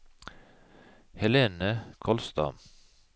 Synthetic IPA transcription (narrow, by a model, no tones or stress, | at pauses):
hɛleːnəkʰɔlst̪ɑ̰m